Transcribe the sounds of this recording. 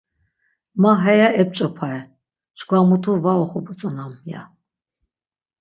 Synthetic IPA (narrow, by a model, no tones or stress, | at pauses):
maɦɛjaɛp̚t͡ʃʼɔpʰaɛ | t͡ʃɡʷamut̪ʰuvaɔχɔbut͡sʼɔnamja̰